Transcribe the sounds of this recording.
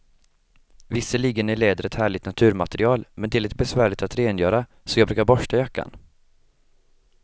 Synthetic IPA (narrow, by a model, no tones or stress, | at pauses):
vɪsːəliːɡənæɭeːd̪əɾɛt̪hæːɭɪt̪nat̪ʰʉ̟ːɾmat̪ɛɾɪɑːlmɛnd̪ɛælɛt̪̚bɛsvæːɭɪt̪at̪ɾeːnjœːɾa | sɔjɑɡbɾʉ̟ːkaɾbɔʂʈajakːa̰n